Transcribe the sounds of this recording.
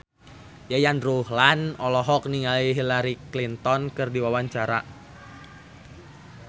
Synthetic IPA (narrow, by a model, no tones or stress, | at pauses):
jajanruhlanɔlɔɦɔk̚niŋaliɦilaɾiklint̪ɔnkɨrdiwawaɲt͡ʃaɾa